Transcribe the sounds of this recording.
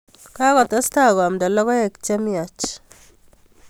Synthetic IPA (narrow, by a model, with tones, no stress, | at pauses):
ka˦kɔ˨t̪a˦sta˦˨ɡmda˨lɔ˦ɣɔ˦e˨kt͡ʃe˦mja˨t͡ʃ